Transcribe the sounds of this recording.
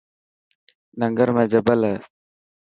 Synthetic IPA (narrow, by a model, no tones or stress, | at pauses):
nəŋɡəɾmẽːd͡ʒəbələ